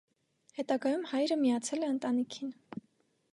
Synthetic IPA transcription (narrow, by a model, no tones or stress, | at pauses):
hɛt̪ɑɡɑjumhɑjɾəmijɑt͡sʰɛlɛənt̪ɑnikʰin